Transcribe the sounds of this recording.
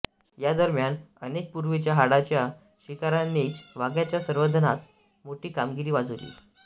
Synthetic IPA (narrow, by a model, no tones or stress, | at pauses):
jad̪əɾmjanənek̚puɾʋit͡ɕjaɦaɽat͡ɕja | ɕikaɾanːiːt͡sʋaɡjat͡ɕjasəɾʋəd̪ʱənat̪ | moʈiːkamɡiɾiːʋad͡zulḭː